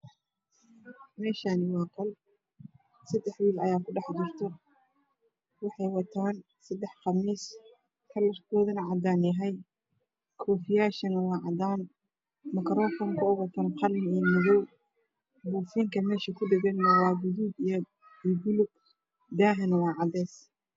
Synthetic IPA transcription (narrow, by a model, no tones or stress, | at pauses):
mɛːʃanɪwɑːkʰɐl | sɐd̪ɛħwiːlɐjaːkʰʊɖɑħd͡ʒɪrt̪ʰɔ | wɑħɑjwɑt̪ʰaːn | sɐd̪ɛħqɑmiːs | kʰɐlɐrkʰɔːðɐnɐʕɑd̪aːnɛɦɛj | kʰɔːfɪjaːʃɐnɐwɑːʕɑd̪aːn | mɐkʰɾɔːfɔmkʰɐʊɣɐt̪ʰɐnqɑlmɪiːjmɪðɔw | buːfiːŋkʰɐmɛːʃɐkʰʊɖ̪ɛβɛːnjɐwɑːɡʊðuːd̪ijɔ | iːbʊlʊɡ̚ | d̪aːɦɐnɐwɑːʕɑd̪ɛːs